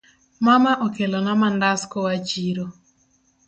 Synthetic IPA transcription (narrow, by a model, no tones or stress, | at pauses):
mamaʔɔkelɔnamandaskowat͡ʃiɾo